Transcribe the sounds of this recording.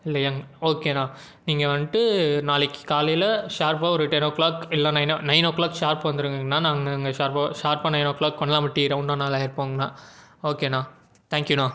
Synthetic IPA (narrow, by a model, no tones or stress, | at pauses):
ɪlːɐjaŋoːkeːnãː | niːŋɡɐʋɐnːʈɯnaːlɪkːɯ̥kaːlɐjɪlɐʂaːɾp̬aːɔɾɯʈɛnoːkːlaːkɪlːɐ̃ːnɐɪnnɐɪnokːlaːkʂaːɾpʋɐnd̪ɯɾɯŋɡeŋɡɐnːaːnãːŋɡɐɪŋɡɐʃaːɾpaʃaːɾpaːnɐɪnokːlaːkkɔɳːɐlaːmɐʈːiːɾɐʊnːaːnaːlaːjɐɾpoːŋɡɐnãːoːkeːnãː | t̪ʰaːŋkjunãː